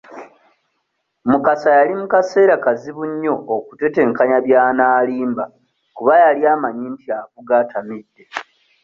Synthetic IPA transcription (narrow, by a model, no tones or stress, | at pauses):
mukasajalimukase̞ːɾakaziβuɲːo̞okute̞te̞ːŋkaɲaβjaːnaːliːmba | kuβajaliaːmaɲintʰiaβuɡatʰamidːe̞